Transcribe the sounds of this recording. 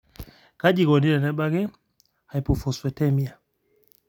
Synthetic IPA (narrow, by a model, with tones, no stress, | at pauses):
ka˦ʄi˨ɣɔ˨ni˦ɾɛ˨nɛ˦ɓa˦ɣɛ˦ | ha˨i˨pu˨fu˨swɛ˨tɛ˦mi˦a˨